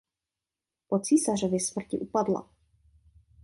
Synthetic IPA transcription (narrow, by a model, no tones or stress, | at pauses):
pot͡siːsarovjɛsmr̩cɪʔupadla̰